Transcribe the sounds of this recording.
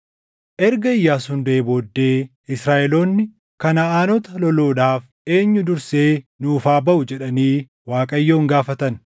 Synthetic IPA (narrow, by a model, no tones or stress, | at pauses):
ʔɛɾɡɐɪjːaːsʊnd̪ɐebo̞ːd̪ːe̞ː | ɪsɾaːʔɛlo̞ːnːɪ | kɐnɐaːnɔt̪ɐlɔloːᶑaːf | e̞ːɲːʊd̪ʊɾseːnuːfaːbɐʔʊd͡ʒɛᶑɐniː | waːkʼɐjːo̞ːŋɡaːfɐt̪ɐn